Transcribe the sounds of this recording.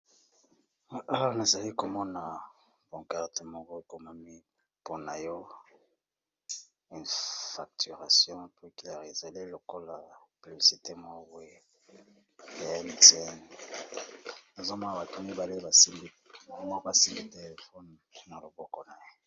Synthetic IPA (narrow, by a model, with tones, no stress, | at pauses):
a˦na˨za˨li˦ko˨mɔ˦na˨ | bɔ˨ŋka˦ʁte˨mɔ˨ɡo˦e˦˨ko˨ma˦mi˦ | po˦na˨jɔ˦ | ɛ̃˨fa˨k̚ty˨ʁa˨sjɔ̃˦pi˦klɛ˦˨ʁe˨za˨li˦lo˨ko˦la˨pi˨bi˨si˨te˦mɔ˦ɡwe˦˨ | ɛ˦ntɛ˦n | na˨zo˦ma˦a˨ba˨tu˦mi˦ba˨le˦ba˨si˦mbi˦˨mɔ˦ka˨si˦bi˦te˦˨fɔ˦nna˨lo˨bɔ˦kɔ˨na˨je˦